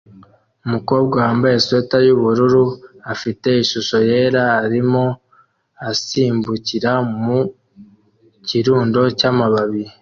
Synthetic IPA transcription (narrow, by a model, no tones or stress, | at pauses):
umuko̞ːb̚ɡahaːmbaje̞swetajuβuɾuɾuafite̞iʃuʃo̞je̞ːɾaːɾimo | asiːmbuciɾamu | ciɾuːndo̞camaβaβiɾi